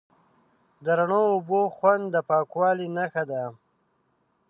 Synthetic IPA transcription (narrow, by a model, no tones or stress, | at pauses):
d̪əɾaɳoːboxwand̪d̪əpɑːkwɑːlinaxad̪a